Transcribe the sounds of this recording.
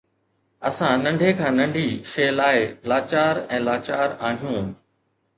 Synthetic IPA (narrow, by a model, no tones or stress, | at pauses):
ɐsãnɐ̃ɳɖʱekʰãːnɐ̃ɳɖʱiːʃeːlaːɪlaːt͡ɕaːɾɛ̃ːlaːt͡ɕaːɾaːɦijũː